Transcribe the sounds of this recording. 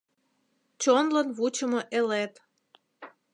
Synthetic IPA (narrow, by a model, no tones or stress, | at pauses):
t͡ɕonlənβut͡ɕəmoʔelet̪